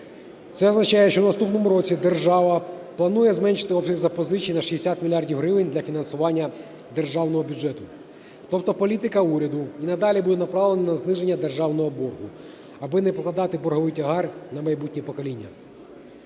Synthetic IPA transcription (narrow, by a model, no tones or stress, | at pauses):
t̪sɛɔznɐt͡ʃɑjɛʃt͡ʃɔwnɐst̪upnɔmuɾɔt͡sʲid̪erʒɑʋɐplˠɐnujɛzmɛnʃɪ̥t̪ɪɔpsʲɐɣzɐpɔzɪt͡ʃʲijnɐʃiesʲat̪mʲilʲijɑrdʲiwɦɾɪʋɪnʲd̪lʲɐfʲinɐnsʊʋɑnʲːɐ | d̪e̞rʒɑwnɔɦɔbʲʊd͡ʒɛt̪ʊ | t̪ɔpt̪ɔpɔlʲit̪ɪkɐuɾʲɐd̪ʊinɐd̪ɑlʲibud̪ɛnɐpɾɑlˠenɐnɐznɪʒenʲːɐd̪erʒɑwnɔɦɔbɔrɦʊ | ɐbɪnɛp̪ˠɐd̪ɑt̪ɪbɔrɦɔʋɪjtʲɐɦɑrnɐmɐjbutʲnʲipɔkɔlʲinʲːɐ